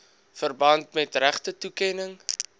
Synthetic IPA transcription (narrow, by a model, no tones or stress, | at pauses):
fərbɐntmɛtræχtətukɛnəŋ